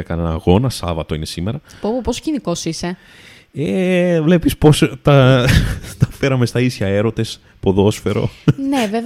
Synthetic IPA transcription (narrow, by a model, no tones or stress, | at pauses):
ɐkɐnenɐːɣo̞nɐsɐvɐt̪oine̞sime̞ɾɐpopoposo̥ciniko̞sise̞ | evle̞pispo̞st̪ɐ | t̪ɐfe̞ɾɐme̞st̪ɐisçɐe̞ɾo̞t̪e̞s | poðo̞sfe̞ɾo̞̰neve